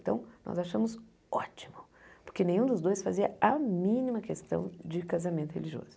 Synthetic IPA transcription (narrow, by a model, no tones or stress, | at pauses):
t̪ɐ̃w̃nɔ̰zaʃɐ̃mʊz | ɔ̰t͡ʃimʊpoɾkenẽj̃ũd̪ʊzd̪ojsfaziɐɐmĩnimɐkest̪ɐ̰̃w̃d͡ʒɪkazamẽnt̪ʊhḛliʒio̰zʊ